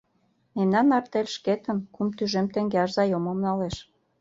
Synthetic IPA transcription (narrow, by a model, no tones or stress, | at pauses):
memnɑnːɑrt̪elʲʃket̪ə̆nkumt̪yʒemt̪ĕŋɡeɑʃzɑjomomnɑleʃ